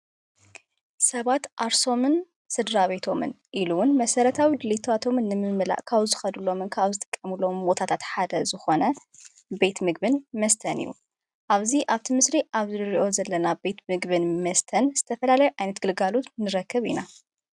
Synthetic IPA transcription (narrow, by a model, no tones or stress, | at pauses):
sɐβat̪ʔaɾso̞mɨn | sɨd̪ɾaβe̞t̪ʰo̞mɨ̰n | ʔiluwʊnmɐsɐɾɐt̪ʰawid̪ɨlit̪ʰat̪ʰo̞mɨnːɨmɨmɨla̰ʔkʰaβzɨxɐd̪ulo̞mɨnkʰaβzɨt̪ʼɨ̥kʼːɐmulombo̞t̪ʰat̪ʰat̪ħad̪ɐzɨxo̞nɐ | be̞t̪mɨɡ̚bɨnmɐst̪ʰɐnḭjːṵ | ʔaβziʔaβt̪ʰimɨsɾiʔaβzɨɨɾiʔo̞zɐlːɐnabe̞t̪mɨɡβɨnmɐst̪ʰɐnz̥ɨt̪ʰɐfɐlalɐjuʔajnɐt̪̚ɡ̥ɨlɡalut̪nɨɾɐkːɨβḭna